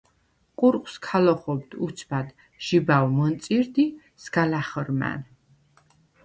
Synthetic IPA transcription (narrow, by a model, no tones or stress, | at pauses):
qʼuɾqʼwskʰalɔχɔb̚d̪ut̪sʰbad̪ | ʒ̥ibawmɔnt̪sʼiɾd̪i | sɡalaχɾma̰n